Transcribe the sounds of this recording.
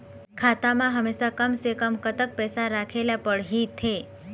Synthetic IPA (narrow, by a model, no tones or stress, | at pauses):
kʰat̪amãɦəmeʃakəmsekəmkət̪ək̚pɛsaɾakʰelapəɽɦit̪ʰːe